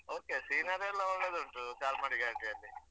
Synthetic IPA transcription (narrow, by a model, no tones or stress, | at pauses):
oːkesiːnɐɾelːɐuɭːeːd̪uɳʈukaːlmaːɽiɡaːʈ̪iɐlːi